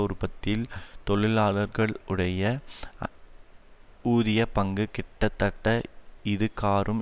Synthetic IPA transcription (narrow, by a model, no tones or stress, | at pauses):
ʊɾpɐt̪ːɪlt̪ɔɭɪlaːɭɐɾɣɐɭɯɽɐjɐ | uːðɪjɐpɐŋɡɯkɪʈːɐt̪ːɐʈːɐɪðɯkːaːɾʔɯm